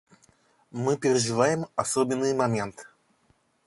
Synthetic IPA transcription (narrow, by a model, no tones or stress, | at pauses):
mɨpʲɪɾʲɪʐɨvajɪmɐsobʲɪnːɨjmɐmʲe̞nt̪